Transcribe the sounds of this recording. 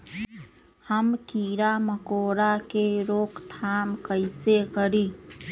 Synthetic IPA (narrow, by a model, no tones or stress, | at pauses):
həmkiːɾaməkoːɾakeɾoːkt̪ʰaːmkəɪsekəɾiː